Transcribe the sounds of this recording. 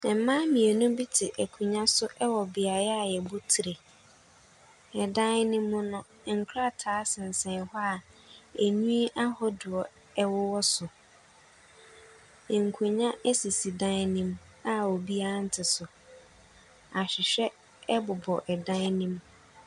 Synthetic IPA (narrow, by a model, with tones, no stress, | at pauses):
ɛ˨m˨mã˦mĩ˨e˨nʊ̃˦bi˦tʰɪ˨ʔæ˨kʰu˨ɲã˦sʊ˦ʔɛ˦wɔ˨bɪ˨a˨˦a˨jɛ˨bʊ˦tʰi˨ɾe˨ | ɛ˨dã˦n˦nɪ̃˦mːʊ̃˦nʊ̃˦˨ | ŋ̩˨kʰɾa˦˨tʰaː˨˦sɪ̃˨n̩˨sɛ̃˨nhɔ˦a˨ | æ˨ɲũ˦ʔa˦hɔ˦dʊ˨ɔ˨ | ɛ˦wɔ˦wɔ˦sʊ˨ | ŋ̩˨kʰũ˨ɲã˦ɛ˦si˨si˨dã˦nĩ˦m | a˦ɔ˨bi˦a˦n̩˦tʰɪ˨sʊ˨ | a˨ɕᶣɪ˨ɕᶣɛ˦ | ɛ˦bʊ˨bɔ˨ʔɛ˨dã˦nĩ˦m